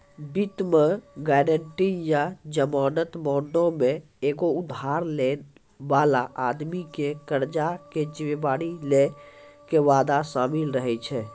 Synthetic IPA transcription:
bit̪meɡɛɾəɳʈijad͡ʒəmaːnət̪mɔɳɖõmẽ | eɡoud̪ʱːaɾlen | balaʔad̪mikekəɾd͡ʒaked͡ʒimebaːɽilekeʋad̪asaːmilɾəɦɛt͡ʃʰɛ

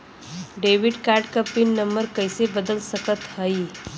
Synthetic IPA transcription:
ɖeʋiɖkaɾʈkəpːiːnːəmbəɾkəjsebəd̪əlsəkət̪həi

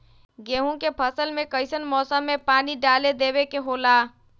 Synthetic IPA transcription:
ɡeːɦũkepʰəsəlmẽkəɪsənmɔːsãmẽpaːniɖaːled̪eːwekeɦoːlaː

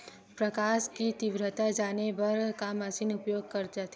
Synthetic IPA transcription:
pɾɐkaːʃkit̪ɪʋɾət̪ad͡ʒaːnebɐɾkamɐsiːnʊpjoːɡ̚kɐɾd͡ʒat̪ː

